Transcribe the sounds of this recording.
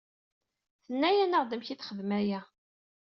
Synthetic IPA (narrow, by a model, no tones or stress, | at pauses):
θənːæjænəʁðəmçiθχəðmæjæ